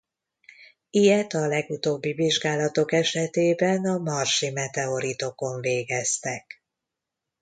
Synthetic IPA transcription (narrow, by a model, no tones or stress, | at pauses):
ijɛt̪ɒlɛɡut̪oːbːiviʒɡaːlɒt̪o̞kɛʃɛt̪eːbɛnɒmɒrʃimɛt̪ɛo̞ɾit̪o̞ko̞ɱveːɡɛst̪ɛk